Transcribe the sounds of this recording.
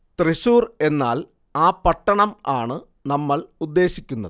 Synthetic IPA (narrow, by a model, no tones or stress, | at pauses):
t̪reɕuːre̞nːaːl | aːpɐʈːɐɳɐmaːɳɨ | nɐmːɐɭud̪ːe̞ːɕikʲːunːɐ̰ðɨ